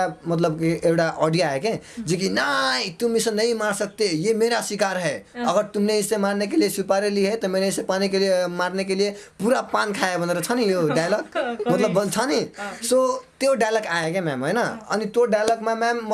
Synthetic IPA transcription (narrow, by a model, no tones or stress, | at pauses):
amət̪ləbkieɦʈaʔɔɖijaeked͡ʒek̬inait̪umisʌ̃nəĩmaɾsək̚t̪ejemeɾasikaɾɦɛəɡəɾt̪umneɦisẽmaɾnekeliesupaɾeliɦet̪ɔmeneisepanikeliemaɾnekelijepuɾapankʰaebənɾet͡ʃʰənijoɖajləkmət̪ləbːənt͡ʃʰənisot̪eoɖajləkaekemɛ̰mɦəjnəə̰nit̪oɖajləkmãmɛmː